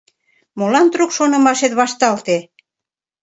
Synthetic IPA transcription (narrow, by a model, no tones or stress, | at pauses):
molɑnt̪ɾukʃonɤ̆mɑʃet̪βɑʃt̪ɑlt̪e